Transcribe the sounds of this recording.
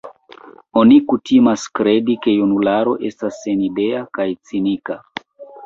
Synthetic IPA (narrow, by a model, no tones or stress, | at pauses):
onikutimaskɾedike̞junulaɾo̞ʔestasːenideakajt͡sinika